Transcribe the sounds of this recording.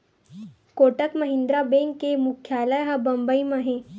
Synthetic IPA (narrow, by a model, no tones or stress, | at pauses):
koːʈəkməɦɪ̃nd̪ɾabẽŋkːemʊkʰjaːləjɦabɐmbəimãɦẽː